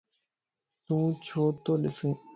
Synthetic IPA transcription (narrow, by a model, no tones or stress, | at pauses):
t̪ũːt͡ɕʰoːt̪oːlɪsũː